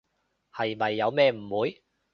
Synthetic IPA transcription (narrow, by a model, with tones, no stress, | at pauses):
hɐ˨jmɐ˨jːɐ˨˧wmɛː˥˧m̩˨˩wuː˨˥j